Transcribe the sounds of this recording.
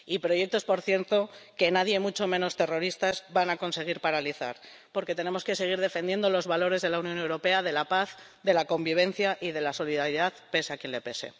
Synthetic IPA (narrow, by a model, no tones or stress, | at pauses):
ipɾo̞je̞k̚t̪o̞spo̞ɾθje̞ɾt̪o̞ke̞naðjemut͡ʃo̞mẽ̞no̞st̪e̞ro̞ɾist̪azβanako̞nse̞ɣ̞iɾpaɾaliθa̰ɾ | po̞ɾke̞t̪e̞ne̞mo̞ske̞se̞ɣ̞iɾð̞e̞fe̞nje̞nd̪olo̞zβalo̞ɾe̞zðe̞launjõ̞newɾo̞pe̞aðe̞lapaθ | ðe̞lako̞mbiβ̞e̞n̟θjaʔiðe̞laso̞liðaɾjiðaθpe̞seakje̞nle̞pese̞̰